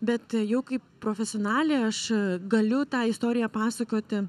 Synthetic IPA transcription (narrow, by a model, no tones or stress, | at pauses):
bʲɛt̪jɛʊkɐɪppːɾoːfʲɛsʲɪoːnɑːlʲeːɐʃɡɐlʲʊt̪ɑːɪst̪oːɾʲɪjɛpɑːsɐkoːt̪ʲɪ